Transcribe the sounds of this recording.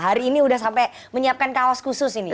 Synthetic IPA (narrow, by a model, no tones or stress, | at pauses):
ɦaɾiːniudahsampɛ | məɲiap̚kankawaskusʊsini